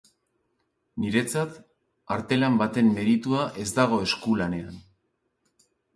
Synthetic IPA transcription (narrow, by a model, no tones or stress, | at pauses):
niɾe̞t͡sat̪ | aɾt̪e̞lambat̪e̞mme̞ɾit̪uaʔe̞zd̪aɣ̞o̞e̞skulane̞an